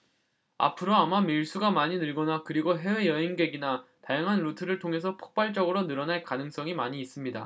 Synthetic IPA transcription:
a̰pʰɯɾoamamiɭs͈uɡamaɲinɯɭɡʌnakɯɾiɡoɦe̞we̞jʌɦeŋɡe̞ɡinatajaŋɦanɾutʰɯɾɯɭtʰoŋɦe̞s̬ʰʌpʰo̥k̚p͈aɭt͡ɕ͈ʌɡɯɾonɯɾʌnaɭkanɯŋs͈ʌŋimaɲiːs͈ɯmɲida̰

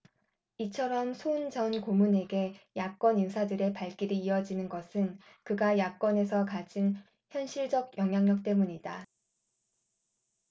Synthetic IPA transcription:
it͡ɕʰʌɾʌmsʰond͡ʑʌnkomune̞ɡe̞jak͈ʌniŋsʰadɯɾe̞paɭk͈iɾiːʌd͡ʑinɯnɡʌsʰɯn | kɯɡajak͈ʌne̞sʰʌkad͡ʑin | çjʌnɕʰiɭd͡ʑʌɡjʌŋɦjaŋɲʌk̚t͈e̞muɲida

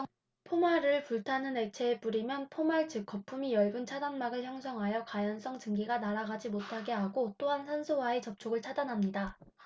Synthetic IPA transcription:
pʰomaɾɯɭpuɭtʰanɯne̞t͡ɕʰe̞ːp͈uɾimjʌnpʰomaɭt͡ɕɯk͈ːʌpʰumijʌɭɡunt͡ɕʰadanmaɡɯɭçjʌŋsʰʌŋɦajʌkajʌns͈ʌŋt͡ɕɯŋɡiɡanaɾaɡad͡ʑimotʰaɡe̞ɦaɡot͈oɦansʰansʰowae̞t͡ɕʌp̚t͡ɕʰoɡɯɭt͡ɕʰadanɦamɲida

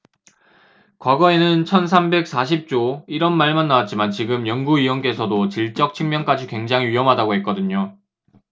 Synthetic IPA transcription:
kwaɡʌe̞nɯnt͡ɕʰʌns̬ʰambe̞k̚s͈ʰaɕ̬ʰip̚t͡ɕ͈oiɾʌnmaɭmanːawat̚t͡ɕ͈imant͡ɕiɡɯmjʌŋɡuiwʌnk͈e̞sʰʌdot͡ɕiɭt͡ɕ͈ʌk̚t͡ɕʰɯŋmjʌŋk͈ad͡ʑikwe̞ŋd͡ʑaŋɦiiʌmɦadaɡoɦe̞t̚k͈ʌdɯɲo

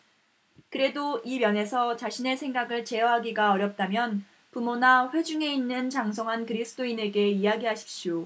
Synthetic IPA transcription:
kɯɾe̞doimjʌne̞sʰʌt͡ɕaɕʰine̞sʰe̞ŋɡaɡɯɭt͡ɕe̞ʌɦaɡiɡaʌɾjʌp̚t͈amjʌn | pumonaɸwe̞d͡ʑuŋe̞inːɯnt͡ɕaŋsʰoŋɦankɯɾisʰɯ̥t͈ʰoine̞ɡe̞iaɡiɦaɕʰi̥p̚ɕ͈jo

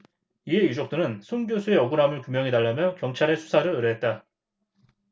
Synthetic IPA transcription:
ie̞jud͡ʑok̚t͈ɯnɯnsʰonɡjosʰue̞ʌɡuɾamɯɭkumjʌŋitaɭːamjʌkjʌŋt͡ɕʰaɾe̞sʰu̥sʰaɾɯɭɯɾɯɦe̞t̚t͈a

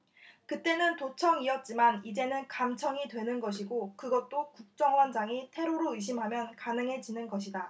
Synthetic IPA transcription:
kɯt͈e̞nɯntot͡ɕʰʌŋiʌt̚t͡ɕ͈imanid͡ʑe̞nɯnkamt͡ɕʰʌŋidwe̞nɯnɡʌɕ̬ʰiɡokɯɡʌt̚t͈okuk̚t͡ɕ͈ʌŋwʌnd͡ʑaŋitʰe̞ɾoɾoɯɕ̬ʰimɦamjʌnkanɯŋɦe̞d͡ʑinɯnɡʌɕʰida

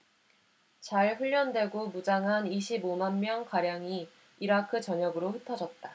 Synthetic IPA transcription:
t͡ɕaɭɸuʎːʌndwe̞ɡomud͡ʑaŋɦaniɕʰibomanmjʌŋkaɾjaŋi | iɾakʰɯt͡ɕʌɲʌɡɯɾoɸɯtʰʌd͡ʑʌt̚t͈a

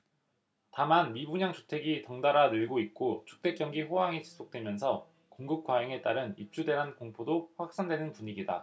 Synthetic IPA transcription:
tamanmibuɲaŋt͡ɕʰotʰwe̞ɡitʌŋdaɾanɯɭɡoit̚k͈ot͡ɕʰu̥k̚t͈e̞k͈jʌŋɡiɸoɦaŋit͡ɕi̥sʰok̚t͈we̞mjʌnsʰʌ | koŋɡɯp̚k͈wajiŋe̞t͈aɾɯnḭp̚t͡ɕ͈udwe̞ɦankoŋpʰodoɸwak̚s͈andwe̞nɯnpuɲiɡida̰

